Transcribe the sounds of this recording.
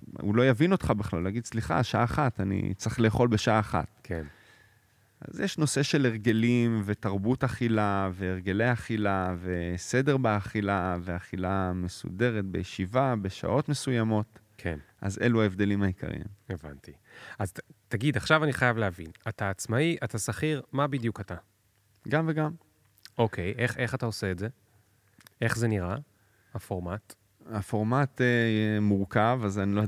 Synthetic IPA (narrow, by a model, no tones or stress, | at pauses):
ṵlo̞javino̞tχabiχlalːaːɡid̪sliχa̰ʃaʔaːχatanḭt͡sʁiχle̞ːχo̞lbe̞ʃaaːχa̰tkʰen | ʔa̰zjeʃno̞se̞ʃe̞leʁɡe̞limve̞taʁbutaχilaveːʁɡe̞le̞jaχilave̞se̞de̞ʁbeaχilaveaχilame̞sṵde̞ʁe̞t̪̚be̞jeʃivabe̞ʃa̰ʔo̞tme̞sujamo̞t | kʰḛnʔa̰ze̞luaevd̪e̞limhaikʰa̰ʁḭmeva̰nti | aztaɡidaχʃavaniχajavleavḭnataːt͡smaiʔatasaχiʁmabidjukata | ɡamve̞ɡam | o̞kʰe̞jʔeχe̞χatao̞se̞ːtze̞ | e̞χze̞niʁa | hafo̞ʁmat | hafo̞ʁmatejɛmuʁkavazanilo